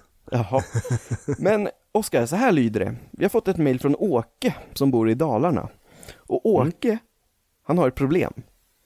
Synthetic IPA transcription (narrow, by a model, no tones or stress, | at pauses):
jʔɑhɔ | mɛn | ɔskaɾsɔɦæːɭyːd̪əɖɛ̰vɪ̰haɾfɔt̪ːɛt̪mɛjlfɾɔnoːkəsɔmbuːɾɪd̪ɑːlaɳa̰ | ʔɔʔoːkə | hanhaɾɛt̪̚pʰɾʊblḛːm